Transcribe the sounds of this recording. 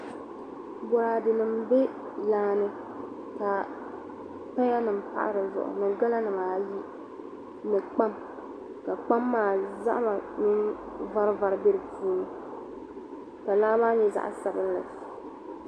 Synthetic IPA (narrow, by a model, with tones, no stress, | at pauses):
bɔ˨ɾa˨dɨ˨nɨ˨mbɛ˦ | laː˦nɨ˦ | ka˨ | pɛ˦ja˦nɨ˨m̩˨pa̰˦ʔa̰˦ɾɨ˨zʊ̰˨ʔʊ̰˨nɨ˨ɡa˦la˦nɨ˨maː˨ji˦ | nɨ˨k͡pa˦m | ka˨k͡pa˦mːaː˨za̰˦ʔma˨mi˦n | va˦ɾva˨ɾɨ˦be˦ɾɨ˨puː˦nɨ˦ | ka˨laː˦maː˦ɲɛ˦za̰˨ʔsa˨bɨ˦n˦lɨ̰˨